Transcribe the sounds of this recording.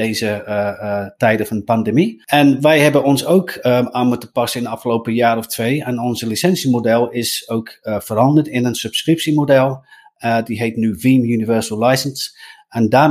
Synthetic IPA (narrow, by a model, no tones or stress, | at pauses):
eːzə | tɛjdəfɔndəpandemiɛnʋɛjhɛbənɔnsowkaːmutəpɑsəɪndəɑfxəlowpəjaːɾɔftʰʋejɛnɔnzəlisɛnsjəmodɛlˠɪsowkfəɾɑndərtɪnənsɵpskrɪpsimodɛlˠ | diɦeːtnyʋiːmjunivɜɹsəlˠlajsəns | ɛndaː